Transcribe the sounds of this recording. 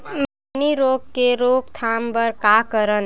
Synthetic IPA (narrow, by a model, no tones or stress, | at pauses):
m | niɾoɡkeɾoɡt̪ʰambəɾkakəɾən